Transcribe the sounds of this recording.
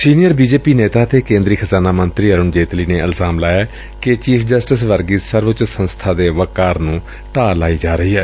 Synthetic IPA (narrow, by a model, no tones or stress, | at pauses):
siːnijəɾbiːd͡ʒeːpiːneːt̪aːt̪ʰeːkẽːnd̪ɾiːkʰəzaːnaːmənt̪ɾiːəɾʊɳd͡ʒeːt̪liːneːəlzaːmlaːjaː | ket͡ʃiːpʰd͡ʒəsʈɪsʋəɾɡiːsəɾʋt͡ʃsənst̪ʰaːd̪eːʋəkːaːɾnũː | ʈaːlaːiːd͡ʒaːɾəɦiːɦɛː